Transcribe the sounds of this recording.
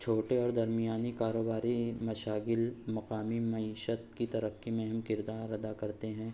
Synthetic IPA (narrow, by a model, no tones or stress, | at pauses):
t͡ʃʰoːʈeɔːɾd̪ɐɾmijaːnikaːɾoːbaːɾimɐʃaːɡɪlmɐqaːmimɐiːʃət̪kit̪ɐɾəfkimẽɦɐmkɪɾd̪aːɾɐd̪akɐɾt̪eɦɛ̃ː